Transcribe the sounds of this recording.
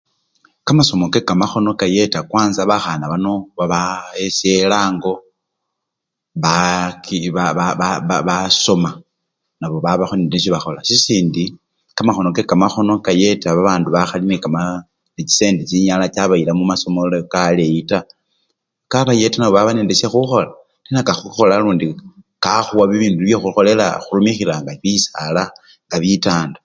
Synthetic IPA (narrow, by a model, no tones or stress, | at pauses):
kamaso̞mo̞ke̞kamaxo̞no̞kaje̞takwaːnzaβaxanaβano̞βaβaeselaːŋɡo̞ | βakiβaβaβaβaso̞ma | naβo̞βaβaxonileneʃ̬iβaxo̞lasisiːndi | kamaxo̞no̞kekamaxo̞no̞kaje̞taβaβaːnduβaxalinekama | net͡ʃi̥se̞ːndit͡ʃiɲalat͡ʃaβailamumaso̞molokalejita | kaβaje̞tanaβo̞βaβaneːndesexuxo̞la | ninakaxuxo̞laluːndikaxuwaβiβiːnduβjexuxo̞le̞la̰xulumixilaŋɡaβisala | ŋɡaβitaːnda